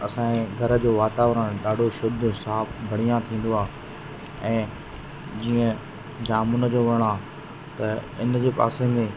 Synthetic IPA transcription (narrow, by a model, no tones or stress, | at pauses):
ɐsãːẽɡʱɐɾə̆d͡ʑoːʋaːt̪aːʋɾəɽ̃ɗaːɖʱoʃʊd̪ʱsaːpʰbʱɐɽ̤ijãt̪ʰĩːn̆d̪oaː | ɛ̃ː | d͡ʑiːə̃ | d͡ʑaːmʊnəd͡ʑoːʋɐɽ̃aː | t̪ɐɪnd͡ʑeːpa̰ːsẽːneː